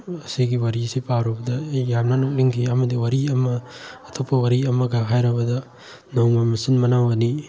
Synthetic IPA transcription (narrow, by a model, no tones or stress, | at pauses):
ɐsiɡiwɐɾisipaɾɔbɐd̪ɐjjamnanɔk̚liŋɡiamɐd̪iwɐɾiɐmɐː | t̪ʰɔpʰɐwɐɾiɐmɐɡaɦajɾɐbɐd̪ɐ | nɔŋmamisinmɐnawɐni